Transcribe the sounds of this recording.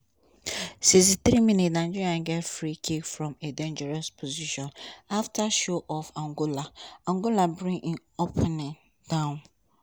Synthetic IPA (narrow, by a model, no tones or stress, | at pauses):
sĩs̬θɾimĩnitnãnd͡ʒiɹiãnɡɛtfɹikʰikfɹɔ̃medẽnd͡ʒɛɹɔspʰoziʃɔ̃naftʰaʃoʔɔfãŋɡolaãŋɡolabɹĩŋʔĩŋ | opʰɛnɪ̃n | d̥ãʊ̃n